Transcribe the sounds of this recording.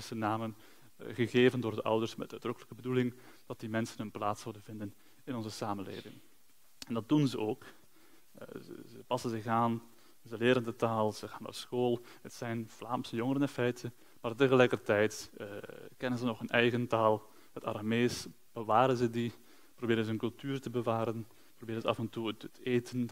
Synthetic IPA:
sənaːmən | ɣəɣeːvəndoːrdəʔʌ̰wdərsmɛ̰tœɥd̥rɵkələkəbədulɪŋ | d̥ɑt̚dimɛnsənɦɵnplaːtsɔwdənvɪndən | ɪnɔnzəsaːmənlḛːvɪ̰ŋ | ɛndɑt̚dunzəʔoːk | zəpɑsənzɪxaːn | zəlɪːɾəndətaːlˠz̥əχaːnːa̰rsxoːlˠ | ɦətsɛjnv̥laːmsəjɔŋəɾənɛnfɛjtʰə | maːrtəɣəlɛjkərtɛjt | kɛnənzənɔχənɛjɣəntaːlˠ | əta̰ɾameːs | b̥əʋaːɾənzədi | probɪːɾənzənkɵlˠtyːrtəbəʋaːɾən | probɪːɾənzəɑfɛntutəteːtʰən

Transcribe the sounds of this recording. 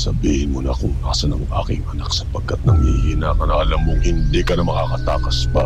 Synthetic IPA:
sɐbiːhɪnmonɐkoŋnaːsɐnɐmʔa̰ːkɪŋɐnaksɐ̥pɐɡ̚kːɐt̪̚nɐŋmɪhinaːkɐnɐʔɐlamːoŋhɪnd̪ikɐnɐmɐkakɐt̪aːkɐsbɐ

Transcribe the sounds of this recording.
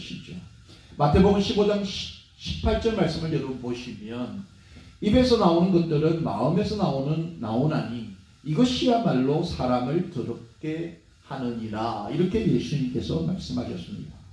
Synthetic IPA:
ɕʰid͡ʑo | matʰe̞boɡɯmɕʰibod͡ʑaŋɕ | ɕʰi̥pʰːaɭt͡ɕ͈ʌɭmaɭs͈ɯmɯɭjʌɾuboɕʰimjʌn | ibe̞sʰʌnaonnɡʌtt͈ɯɾɯnma̰ɯme̞sʰʌnaonɯnːa̰onaɲi | iɡʌɕʰiamaɭːosʰaɾamɯɭtɯdʌp̚k͈e̞ | hanɯɲiɾaiɾʌkʰe̞je̞sʰuɲimk͈e̞sʰʌma̰ɭs͈ɯmɦaɕʰʌs͈ɯmɲḭda

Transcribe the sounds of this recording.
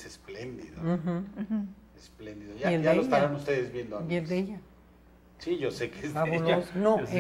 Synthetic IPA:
sesplend̪ḭðox̩ | esplend̪iðojaeld̪aleoest̪aɾanust̪eðezβjend̪oajeld̪eʝa | siʝosekezaβulosnoe

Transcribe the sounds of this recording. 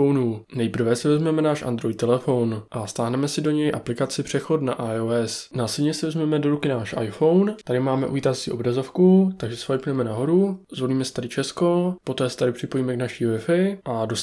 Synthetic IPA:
ownuːnɛjpr̩vɛsɪvɛzmɛmɛnaːʃʔa̰nd̪ɾo̞jt̪ːɛlɛfo̞wnʔast̪aːɦnɛmɛsɪdo̞ɲɛjʔaplɪkat͡sɪpr̝̥ɛxo̞t̪naʔajoɛsnaːslɛdɲɛsɪvɛzmɛmɛdo̞ɾukɪnaːʃʔa̰jfo̞wnt̪adɪmaːmɛʔṵviːt̪at͡sḭʔo̞bɾazo̞fkut̪aɡʒɛsfajpuɛmɛnaɦo̞ɾuzvo̞liːmɛsɛ̥t̪adɪt͡ʃɛsko̞po̞t̪ɛːsɛ̥t̪adɪpr̝̥ɪpo̞jiːmɛknaʃiːvɪfɪʔado

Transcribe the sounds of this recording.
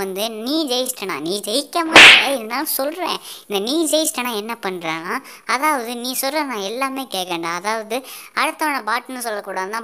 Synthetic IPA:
ɐnd̪ɯniːd͡ʒɛjsʈɐnã̰ːniːd͡ʒɛjɪkːɐmaːlɐɪðɐnaːlɐsɔlɾḛ̃ːɪnd̪ɐniːd͡ʒɛjɪsʈɐnãːɛnːɐpɐɳːɾẽːnaː | ɐðaːʋɐðɯniːsɔlrẽnãːɛlːaːmeːkeːkːeːɳɖãːɐðaːʋɐðɯ | ɐɽɯt̪ːɐʋɐɳɐbaːʈːɐnːɯsɔlːɐkːuːɽaːðɯnt̪ãː

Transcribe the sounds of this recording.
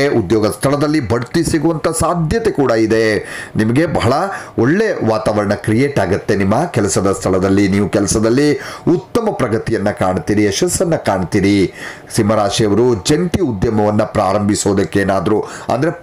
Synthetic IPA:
ʔud̪jɔːɡɐst̪ʰɐɭɐd̪ɐlːibʱɐɽt̪isiɡuʋɐnt̪ɐsaːd̪ʱjɐt̪e̞kuːɽɐid̪e̞nimɐɡe̞bɐɦɐɭɐoɭːeʋaːt̪aːʋɐɾɐɳɐkɾijeːʈaːɡɐt̪ːenimːɐkɛlɐsɐd̪ɐst̪ʰɐɭɐd̪ɐlːiniːʋukɛlɐsɐd̪ɐlːiut̪ːɐmɐpɾɐɡɐt̪ijɐnːɐkaːɳt̪iːɾiɛʃɐsːɐnːɐkaːɳt̪iːɾi | simɐɾaːʂijɐʋɐɾud͡ʒeɳʈiud̪jɐmɐʋɐnːɐpɾaːɾɐmbʱisoːd̪ɐkːeːnaːd̪ɐɾuɐ̰nd̪ɐɾe

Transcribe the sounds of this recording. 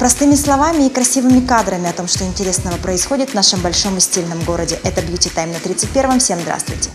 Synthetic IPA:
pɾɐst̪ɨmʲɪslˠɐvamʲɪːkɾɐsʲivɨmʲɪkad̪ɾəmʲɪɐt̪o̞mʂt̪oɪnʲtʲɪɾʲe̞snəvəpɾəɪsxo̞dʲɪt̪vnaʂɨmbɐlʲʂo̞msʲtʲilʲnəmɡo̞ɾədʲɪʔɛt̪əblʲit͡ɕɪt̪ajɪmnɐt̪ɾʲit̪sɨt̚ʲpʲeɾvɨmfsʲe̞mzd̪ɾa̰st̪vʊ̰jtʲɪ̥

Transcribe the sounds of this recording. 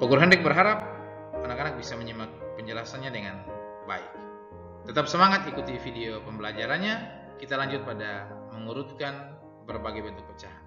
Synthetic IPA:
pəɡuɾuɦandɛk̚bəɾɦaɾap̚ | anakanak̚bisaməɲəmak̚pəɲd͡ʒəlasanɲadəŋan | ba̰ɪk̚ | t̪ət̪apsəmaŋat̪ikut̪ifideopəmbəlad͡ʒaɾanɲa | kit̪alaɲd͡ʒʊt̪̚padaməŋuɾut̪̚kan | bərbaɡajbənt̪ʊk̚pət͡ʃaɦan

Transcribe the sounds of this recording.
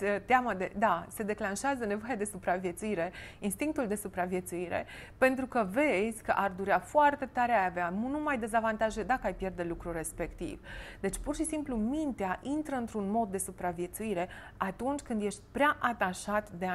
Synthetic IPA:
t̪eaməd̪e̞d̪ase̞d̪e̞klanʃeazəne̞vo̞jad̪e̞supɾavje̞t̪suiɾe̞inst̪iŋk̚t̪uld̪e̞supɾavje̞t̪suiɾe̞̰pe̞nt̪ɾukəve̞zʲkə̰ʔard̪uɾeafoart̪e̞t̪aɾeajaveanunumajd̪e̞zavant̪aʒed̪akəajpje̞rd̪e̞lukɾure̞spe̞kt̪ḭv̥d̪e̞t͡ʃʲpurʃisimplumint̪eaʔint̪ɾəɨnt̪ɾunmo̞d̪ːe̞supɾavje̞t̪suiɾe̞ | at̪unt͡ʃʲkɨnd̪jeʃt̪ʲpɾeaʔat̪aʃat̪d̪ea

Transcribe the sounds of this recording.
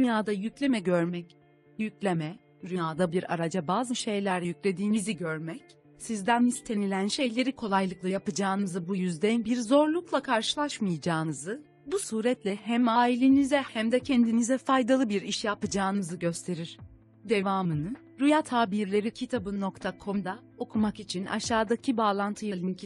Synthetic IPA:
d̪ynjaːd̪ajyclʲe̞mɛɟøɾmɛc | jyclʲemɛ | ɾyjaːd̪abiɾa̰ɾad͡ʒabaːzɯʃe̞jlʲæɾlʲɛjycʲlʲe̞d̪iːniziɟøɾmɛc | sizd̪ænist̪ʰe̞nilʲænʃe̞jlʲe̞ɾikʰo̞lˠajlˠɯklˠajapɯd͡ʒaːnɯzɯbujyzd̪ɛnbiɾzo̞ɾlˠuklˠakʰaɾʃɯlˠaʃmɯjad͡ʒaːnɯzɯ | busuːɾɛt̪lʲɛhɛmaːilʲenizɛhæmd̪ɛcʰɛnd̪inizɛfajd̪alˠɯbiɾiʃjapɯd͡ʒaːnɯzɯɟø̞st̪ʰe̞ɾiɾ̥ | d̪e̞vaːmɯnɯ | ɾujat̪ʰhaːbiɾlʲe̞ɾicʰit̪ʰabɯno̞kt̪ʰakʰo̞md̪a | o̞kʰumakit͡ʃʰinʔa̰ʃaːd̪acʰibaːlˠant̪ʰɯjalʲˠincʰ

